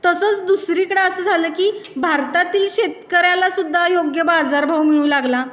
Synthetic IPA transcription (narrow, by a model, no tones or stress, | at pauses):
t̪əsəːt͡sd̪usɾiːkəɽeəsəːd͡zʱaləːkiːbʱaɾt̪at̪iːlɕet̪kəɾjalasud̪ʱːajoɡjəbad͡zaɾbʱawmiɭũːlaɡla